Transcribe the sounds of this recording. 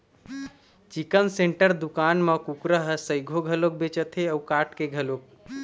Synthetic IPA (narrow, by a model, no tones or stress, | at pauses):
t͡ʃikənseɳʈəɾd̪ukanməkukɾəɦəsəjɡʱoɡʱəlok̚bet͡ʃət̪ʰeəukaʈkeɡʱəlok̚